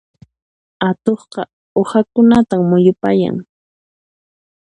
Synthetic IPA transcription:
at̪oχqɑ | ohakʊnat̪amʊjʊpaja̰ŋ

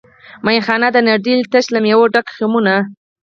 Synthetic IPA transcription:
majxɑnad̪ənaɾd̪ilt̪aʃlamjawoɖakximuna

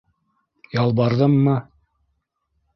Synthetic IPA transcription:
jɑlˠbɑɾðɤmːɤ

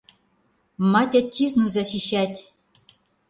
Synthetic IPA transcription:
mɑtʲætʲʰːiznuzɑɕiɕætʲ

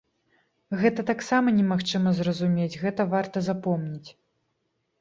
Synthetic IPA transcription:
ɣɛt̪ɐt̪aksamɐnʲɛmaxt͡ʂɨmɐzrɐzumʲet͡sʲɣɛt̪ɐvart̪ɐzapɔmnʲit͡sʲ

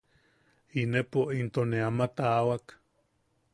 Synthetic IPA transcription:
inepoʔint̪oneamat̪aːwak

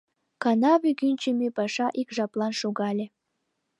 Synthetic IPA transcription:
kɑnɑβʲiɡynʲt͡ɕemepɑʃɑʔikʒɑplˠɑnʃuɣɑlʲĕ

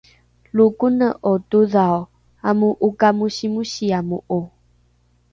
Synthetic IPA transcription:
lukunə̃ʔotuðao | amũʔukamũʃimũʃiamuʔo

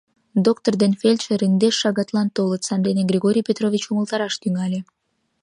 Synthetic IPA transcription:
d̪okt̪ord̪enfelʲt̪ʃeɾənd̪eʃːɑɣɑt̪lɑnt̪olət̪sɑnd̪eneɡrʲiɣoɾʲijpʲet̪rovʲit͡ɕuməlˠt̪ɑɾɑʃt̪yŋɑlʲe

